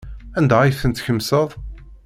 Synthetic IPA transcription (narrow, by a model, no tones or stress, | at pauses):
ænd̪æijθənt̪çəmːsəðˤ